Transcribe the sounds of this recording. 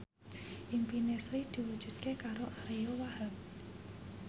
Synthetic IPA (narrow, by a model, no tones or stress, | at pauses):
ʔimpinesɾid̪̥i̤wud̥ʒ̥ṳd̪̚kekaɾoʔaɾeowahəp̚